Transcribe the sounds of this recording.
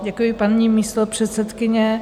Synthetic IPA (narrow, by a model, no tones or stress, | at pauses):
ɟɛkujɪpanɲiːmiːst̪opr̝̥ɛt̪sɛt̪kɪɲɛ